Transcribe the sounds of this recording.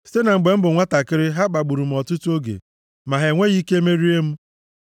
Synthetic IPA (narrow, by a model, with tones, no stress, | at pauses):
se˦na˨ŋ͡m̩˨ɡ͡be˨m̩˦bʊ˨ŋʷa˦ta˨kɪ˦ɾɪ˦ɦa˦ɡ͡ba˨ɡ͡bu˨ɾu˨m̩˨ɔ˨tʊ˦tu˦o˦ɡḛ˨ | ma˨ɦe˨ŋʷe˦ɣi˦ke˦e˦me˦ɾi˦e˦m̩˦